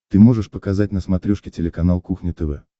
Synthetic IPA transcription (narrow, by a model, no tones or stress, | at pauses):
t̪ɨmo̞ʐɨʂpəkɐzatʲnəsmɐt̪ɾʲuʂkʲɪtʲɪlʲɪkɐnalˠkuxnʲɪt̪ɛvɛ